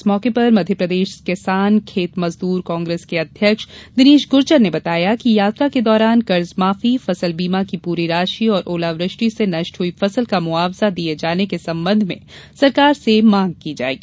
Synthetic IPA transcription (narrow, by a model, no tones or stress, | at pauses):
smɔːkepɐɾmɐd̪ʱjəpɾɐd̪eːʃkɪsaːnkʰeːt̪mɐzd̪uːɾkɔ̃ːŋɡɾeːskeɐd̪ʱjəkʃd̪ɪniːʃɡʊɾt͡ʃəɾnebɐt̪aːjakijaːt̪ɾaked̪ɔːɾaːnkɐɾzmaːfifɐsəlbiːmakipuːɾiɾaːʃiɔːɾʔoːlaʋɾɪʃʈɾisenɐʃʈɦuifɐsəlkamʊaːʋzad̪ied͡ʒaːnekesɐ̃mbə̃nd̪ʱmḛ̃sɐɾkaːɾsemãːŋɡ̚kid͡ʒa̰ːḛːɡiː